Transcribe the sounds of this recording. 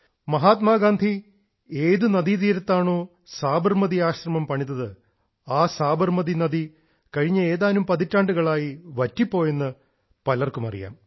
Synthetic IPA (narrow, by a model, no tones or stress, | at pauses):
mɐɦaːt̪maːɡaːnd̪ʱi | eːðunɐðiðiːɾɐt̪ːaːɳo̞ː | saːbɐrmɐðiaːɕrɐmɐmpɐɳinːɐðɨ | aːsaːbɐrmɐðinɐði | kɐɻiɲːɐe̞ːðaːnumpɐðitːaːɳɖuɣɐɭaːjiʋɐtːipːo̞ːjenːɨ | pɐlɐrkumɐ̰rḭja̰ːm